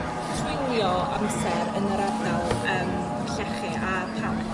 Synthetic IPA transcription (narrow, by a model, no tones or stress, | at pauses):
tʰwɪnjɔʔamsɛɾənəɾadnalˠəːm | ɬɛχiʔa | pʰa